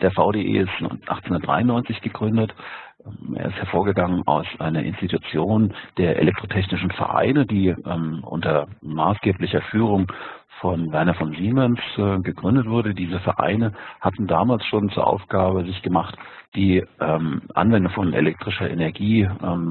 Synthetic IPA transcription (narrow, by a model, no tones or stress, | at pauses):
d̥eːɐfaʊdeʔḛːsʔa̰χt͡seʊndɐtd̥ʁaɪʊnɔʏnt͡sɪçɡ̥əɡʁʏndətʔʔḛːɐɪsthɛɐfoːɐɡəɡaŋənʔa̰ʊsʔa̰ɪnɐʔɪ̰nstitut͡sjoːnd̥eːɐʔḛlɛk̚tʁ̥otʰɛç̬nɪʃn̩fɛ̰ɐʔa̰ɪnədiːʔɛmʔʊ̰ntɐma̰ːsɡ̥eːplɪçɐfyːʁ̞ʊŋ | fɔnvɛɐnɐfɔnziːmɛnsɛɡəɡʁʏndətv̥ʊɐɾədiːzəfɛɐʔa̰ɪnəhatn̩daːmaːlsʃoːnt͡suːɐʔa̰ʊfɡ̥aːbəzɪçɡ̥əmaχtd̥iːʔɛːmʔa̰nvɛndʊŋfɔnʔḛlɛk̚tʁ̥ɪʃɐʔḛnɛɐɡiːʔɛm